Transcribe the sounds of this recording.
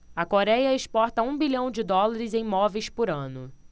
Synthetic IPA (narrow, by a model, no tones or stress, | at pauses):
ɐkoɾɛjɐɪspɔɾt̪ɐũbiʎɐ̃w̃d͡ʒɪd̪ɔlaɾɪzẽj̃mɔvejspʊɾɐ̃nʊ